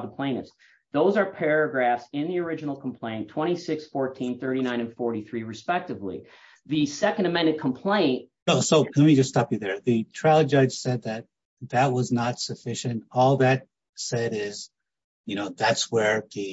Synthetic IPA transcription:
ðəpʰl̥ẽɪ̃nɨ̰s | ðoʊzə˞pʰɛɹɨɡɹæfsɪ̃nðiə˞ɪd͡ʒɨnl̩ˠkʰm̩pʰl̥ẽɪ̃ntʰw̥ɛ̃ɾ̃isɪksfɔɹtʰĩnθɜ˞ɾinãɪ̃nɨ̃nfɔɹɾiθɹiɹɨspɛk̚tɨvlḭ | ðɨsɛkɨ̃n̩dɨmɛ̃ndɨ̃nkʰm̩pʰl̥ẽɪ̃nt̚ | wɛlˠsoʊlɛt̚mid͡ʒʌststɑpjɨðə˞ðɨtʰɹ̥ælˠəd͡ʒaɪd͡ʒ̥sɛd̪̚ðɨt̪̚ | ðɨt̚wʌznətsɨfɪʃɨ̃ntɔlˠðɨt̚ | sɛɾɪz̥ | jɨñoʊðætswə˞ðɨ

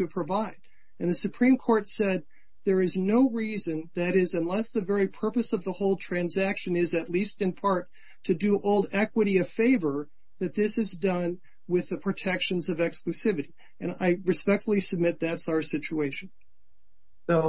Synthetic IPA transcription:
tɨpʰɹ̥ɨvaɪd̥ | ɨ̃nðɨsɨpʰɹ̥ĩmkʰɔɹtsɛd̪̚ | ðə˞ɨznoʊɹizɨ̃nðɨɾɪzɨ̃nlɛsðɨvɛɹipʰɜ˞pɨsʌvðəhoʊlˠtʰɹ̥æ̃nzækʃɨ̃nɪzɨtˡlistɨ̃npʰɑɹtʰ | ɨdɨʔoʊlˠdɛkwəɾiʌv̥feɪvə˞ | ðɨt̪̚ðɪsɨzdʌ̃n | wɪðɨpʰɹ̥ɨtʰɛkʃɨ̃nzʌvɛksklʉsɪvɨɾi | ɨ̃na̰ɪɹɨspɛk̚tfl̩ˠisɨb̚mɪt̪̚ðætsaʊə˞sɪt͡ʃueɪʃɨ̃n̩ | oʊ

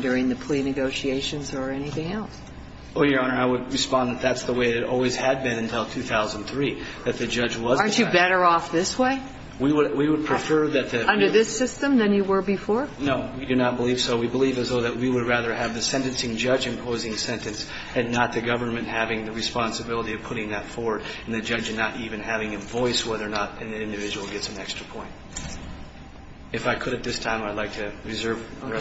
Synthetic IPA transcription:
dʊɹɪ̃ŋðɨpʰl̥inɨɡoʊʃieɪʃɨ̃nzə˞ɛniθɪ̃ŋɛlˠs | ə̃njə̃˞ʊ̃nə˞aɪwəd̚ɹɨspɑ̃nðɨt̪̚ðætsðəweɪɨɾɨɾɔ̰lˠwiz̥ɨd̚bɨ̃nɨ̃ntʰɪlˠtʰʉθaʊzə̃n̩θɹiðɨt̪̚ðɨd͡ʒʌd͡ʒwʌzɑɹt͡ʃɨbɛɾə˞ɔfðɪsweɪ | wiwəwiwəd̚pʰɹ̥ɨfɜ˞ðɨt̪̚ðɨʌ̃ndə˞ðɪsɪstə̃mðɨ̃njɨwə˞bɨfɔɹnoʊwidɨnət̚b̥əliv̥soʊwibəlivɨzðoʊðɨʔ̚wiwəd̚ɹæðə˞ɨvðɨsɛ̃ntɨ̃nsɪ̃ŋd͡ʒʌd͡ʒɨ̃mpʰoʊzɪ̃ŋsɛ̃ntɨ̃ns | ɨ̃nːət̪̚ðɨɡʌvə˞nmɨ̃nʔhævɪ̃ŋðɨɹɨspɑ̃nsɨbɪlˠəɾiʌv̥pʰʊɾɪ̃ŋðɨtfɔɹwə˞ɾɨ̃n̩ðɨd͡ʒʌd͡ʒɨ̃nːəɾʔivɨ̃nhævɪ̃ŋɨ̃ɱvɔɪswɛðə˞nəɾɨ̃nðiɪ̃ndɨvɪd͡ʒɨwl̩ˠɡɛtsɨ̃nɛkstɹ̥əpʰɔ̃ɪ̃nt̚ | ɨfaɪkʰɨɾɨt̪̚ðɪstʰãɪ̃maɪdˡlaɪk̚tʰɨɹɨzɜ˞v

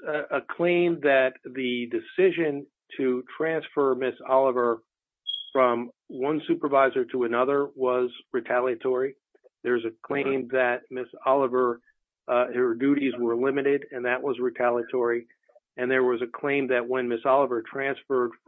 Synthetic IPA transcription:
əkʰl̥ẽɪ̃mðɨt̪̚ðɨdɨsɪʒɨ̃n | tʰɨtʰɹ̥æ̃nsfə˞mɪsɑlˠəvə˞ | fɹʌ̃mwʌ̃nsʉpə˞vaɪzə˞ɾəənʌðə˞wʌzɹɨtʰælˠiɨtʰɔɹi | ðə˞zɨkʰl̥ẽɪ̃mðɨt̚mɪsɑlˠəvə˞ | hə˞dʉɾizwə˞lɪ̃mɨɾɪɾɨ̃nðɨʔ̚wʌzɹɨtʰælˠiɨtʰɔɹi | ɨ̃nðə˞wʌzɨkʰl̥ẽɪ̃mðɨt̚wɨ̃nmɪsɑlˠəvə˞tʰɹ̥æ̃nsfə˞d̥

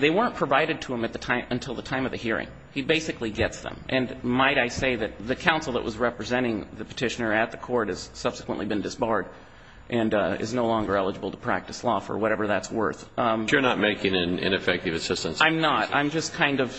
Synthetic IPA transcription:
ðeɪwɜ̃˞npʰɹ̥əvaɪɾɨd̚tʰəə̃mɨt̪̚ðɨtʰãɪ̃mɨ̃ntʰɪlˠðətʰãɪ̃mʌvðɨɦiɹɪ̰̃ŋ | ibeɪsɨkliɡɛtsðə̰̃mʔɨ̃nmaɪɾaɪseɪðɨt̪̚ðɨkʰãʊ̃nsl̩ˠðə̰ʔwʌzɹɛpɹɨzɛ̃ɾ̃ɪ̃ŋðɨpʰɨ̥tʰɪʃɨnə˞ɨt̪̚ðɨkʰɔɹɾ̚ɨz̥sʌb̥sə̥kwə̃nʔlibɨ̃ndɨsb̥ɑɹɾ | ʔɨ̃nɪ̰znoʊlɔ̃ŋɡə˞ɛlˠəd͡ʒəbl̩ˠtʰə̥pʰɹ̥æ̰k̚tɨslɔfə̰˞wʌɾɛvə˞ðætswɜ̰˞θə˞nət̚meɪkɪ̃ŋɨ̃nɪ̰̃nɨfɛk̚tɨvɨsɪstə̃nsãɪ̃mnətã̰ɪ̃md͡ʒʌskʰãɪ̃ndʌv̥

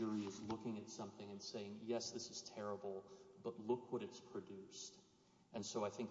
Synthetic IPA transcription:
ə˞iɨzlʊkɪ̃ŋɨtsʌ̃mθɪ̃ŋɨ̃nseɪɪ̃ŋjɛsðɪsɨz̥tʰɛɹəbl̩ˠb̥ʌtˡlʊkʰwʌɾɨtspʰɹ̥ɨdʉst | ʔɨ̃nsoʊaɪθɪ̃ŋk

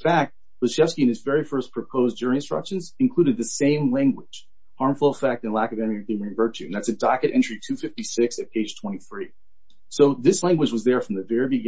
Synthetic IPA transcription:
fæk̚t̚ | b̥ɨ̥ʃɛfskiɨ̃nɨzvɛɹifɜ˞spʰɹ̥ɨpʰoʊzdʊɹɪ̃ŋɨ̃nstɹ̥ʌ̰kʃɨ̃nzɨ̃nkʰl̥ʉɾɨd̪̚ðɨsẽɪ̃mlæ̃ŋɡwɪd̥ʒ̥ | hɑɹɱfl̩ˠəfɛk̚tɨ̃nlækʌvɨ̃miɨθɪ̃mɹĩvɜ˞t͡ʃʰʉ̃n̩ðætsɨdɑkɨɾʔɛ̰̃nt͡ʃɹ̥itʰʉfɪftisɪksɨt̚pʰeɪd̥ʒ̥tʰw̥ɛ̃ɾ̃iθɹi | soʊðɪslæ̃ŋɡwɨd͡ʒwʌzðə˞fɹʌ̃mðɨvɛɹibɨɡ

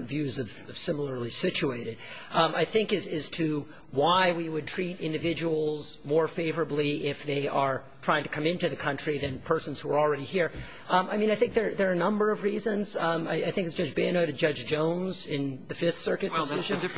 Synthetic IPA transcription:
ntvjʉzʌv̥ʌv̥sɪ̃ml̩ˠə˞lisɪt͡ʃueɪɾɨd̥ | a̰ɪθɪ̃ŋkɨzɨz̥tʰɨ | waɪwiwɨd̚tʰɹ̥iɾɪ̃ndɨvɪd͡ʒəwl̩ˠzmɔɹfeɪvə˞ɨbliɪfðeɪʔə˞tʰɹ̥aɪɪ̃ŋtʰɨ̥kʰʌ̃mɪ̃ntʉðɨkʰʌ̃nt͡ʃɹ̥iðɨ̃npʰɜ˞sn̩z̥huə˞l̩ˠɹɛɾihiɹ | aɪmĩnaɪθɪ̃ŋk̚ðə˞ðə˞ɨnʌ̃mbə˞ʌvɹizɨ̃nzaɪaɪθɪ̃ŋkɨzd͡ʒʌd͡ʒbɛ̃noʊɾɨd̚d͡ʒʌd͡ʒd͡ʒõʊ̃nzɪ̃nðɨfɪθsɜ˞kɨt̚wsɪʒɨn

